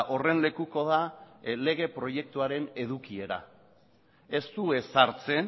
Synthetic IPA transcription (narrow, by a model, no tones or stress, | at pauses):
ʔo̞re̞nle̞kuko̞ðale̞ɣ̞e̞pɾo̞je̞k̚t̪uaɾe̞ne̞ðukie̞ɾa̰ | e̞st̪ue̞saɾt͡se̞n